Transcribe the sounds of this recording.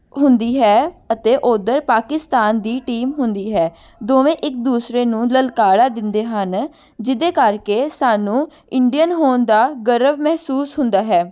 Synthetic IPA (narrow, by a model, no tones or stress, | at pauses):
ɦʊnd̪iːɦɛːət̪eːʔoːd̪əɾpaːkɪst̪aːnd̪iːʈiːmɦʊnd̪iːɦɛː | d̪oːʋẽːʔɪk̚d̪uːsɾeːnũːləlkaːɽaːd̪ɪnd̪eːɦən | d͡ʒɪd̪eːkəɾkeːsaːnũː | ɪɳɖijənɦoːnd̪aːɡəɾəʋmɛɦsuːsɦʊnd̪aːɦɛː